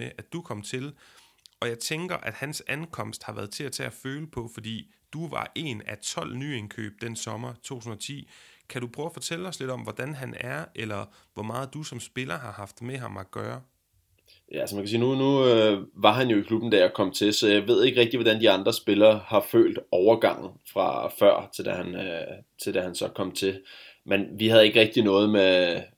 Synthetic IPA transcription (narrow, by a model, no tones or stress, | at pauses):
eʔæ̥d̥ukʰɒ̽m̰t͡sʰe̝l | ɒ̽jɑ̈ɪt͡sʰeŋɡ̥ɐʔæd̥hænsænkʰɒ̽m̰sd̥hɑ̈ʋæɐðˠt͡sʰe̝æt͡sʰeæføːləpʰɒ̽fɒ̽d̥ḭː | d̥uʋɑ̰̈ʔe̝̰næt͡sʰɒ̽l̰nye̝nkʰø̰ːb̥̚d̥ensɒ̽mɐt͡sʰo̝̰ːun̩ɒt͡sʰḭːkʰæɾ̥upʰʁœʊɐfɒ̽t͡sʰel̰ə̥ɒ̽sle̝d̥ɒ̽mʋɒd̥ænɦænæɐʔelɐ | ʋɒmɑ̈ːð̞̩ˠd̥usɒ̽msb̥e̝lɐɦɑ̈hɑ̈fd̥meɦɑ̈mæɡ̥ɶːɐ | jæælsəmænkʰæsḭːnunuøʋɑ̈ɦænjo̝ikʰlub̥n̩d̥æɐjækʰɒ̽m̰t͡sʰe̝sɒ̽jɑ̈ɪʋe̝ð̞̰ˠe̝ɡ̥ʁɛɡ̥̚d̥iʋɒdænd̥iɑ̈nd̥ʁɐsb̥e̝lɐːhɑ̈fø̰ːld̥ɒʊɐɡ̥ɑ̈ŋ̰n̩fʁɑ̈fɶɐ̰t͡sʰe̝ld̥æhænø | t͡sʰe̝ld̥æhænsɒ̽kʰɒ̽m̰t͡sʰe̝ | menʋihæð̞̩ˠe̝ɡ̥ʁɛɡ̥̚d̥inɔ̽ːð̞̩ˠme